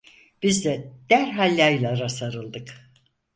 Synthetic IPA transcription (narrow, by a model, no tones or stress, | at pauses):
b̥izd̪ɛd̪̥æɾɦalʲːajlˠaɾasaɾɯlˠd̪ɯk